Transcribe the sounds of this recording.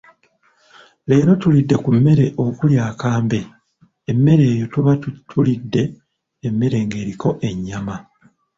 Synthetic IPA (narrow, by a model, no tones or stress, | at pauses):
le̞ːɾo̞tulidːe̞kumːe̞ɾe̞ʔo̞kuljaːkaːmbe̞ | emːe̞ɾe̞ːjo̞tuβatʰulidːe̞ː | mːe̞ɾe̞ŋɡe̞ːɾiko̞ʔe̞ɲːama